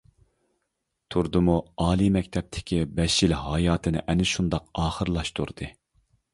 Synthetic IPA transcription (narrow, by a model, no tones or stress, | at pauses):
t̪ʰuɾd̪ɨmuɑːlˠimɛkʲt̪ʰɛp̚t̪ʰɪ̥kʲibɛʃilɦɑjɑːt̪ʰɨnɪ̰ʔɛnɪʃund̪ɑq̚ɑːχəɾlˠɑʃt̪ʰṵɾd̪̥ɨ